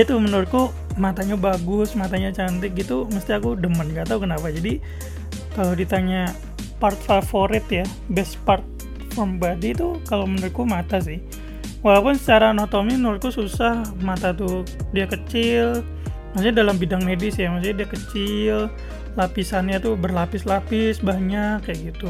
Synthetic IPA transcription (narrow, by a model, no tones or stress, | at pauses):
ait̪umənəɾʊt̪̚ku | mat̪aɲabaɡʊsmat̪aɲat͡ʃant̪ɪk̚ɡit̪uməst̪iakudəmənkat̪aukənapad͡ʒadi | kalodit̪aɲa | part̪̚fafoɾɪt̪ja | bɛspart̪̚ | fambadit̪ukalomənəɾʊt̪̚kumat̪as̬ɪh | walawpʊnsə̥t͡ʃaɾanoht̪ominuɾɪt̪̚kususahmat̪at̪u | diakət͡ʃɪl | masuɲadalambidaŋmedɪsjamas̬uɲadiakət͡ʃɪl | lapisanɲat̪ubərlapɪslapɪsbaɲakːajaɡit̪u